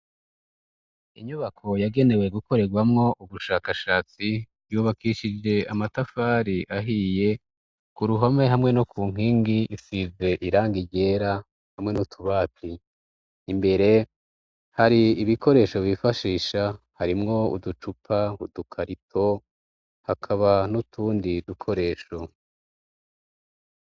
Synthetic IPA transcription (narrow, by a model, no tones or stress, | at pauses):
iɲuβakʰo̞jaɡe̞ne̞we̞ɡuko̞ɾeɡwamŋo̞ʔuβuʃaːkaʃaːt͡si | juːβakiʃid͡ʒe̞amatafaːɾiʔaɦije̞ | kuɾuɦame̞ɦamŋe̞nokuːŋ̥iːŋɡiisize̞ʔiɾaːŋɡiɟe̞ːɾa | hamŋe̞nutʰuβaːtʰiː | mbe̞ɾe̞ | haɾiiβikʰo̞ɾe̞ːʃo̞βifaʃiːʃa | haɾimŋo̞ṵdut͡ʃupʰaudukʰaɾitʰo̞ | hakʰaβanutʰuːndidukʰo̞ɾe̞ːʃo̞